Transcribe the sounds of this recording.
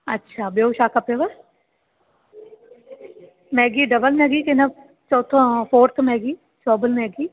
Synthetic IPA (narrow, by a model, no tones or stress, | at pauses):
ə̰tːʃʰaːbeːʃaːkapeːʋəɾ | mɛːɡiːɖəbəlmɛːɡiːkɪna | t͡ʃɔːt̪ʰõpʰoːɾt̪ʰmɛːɡiː | t͡ʃɔːbəlmɛːɡiː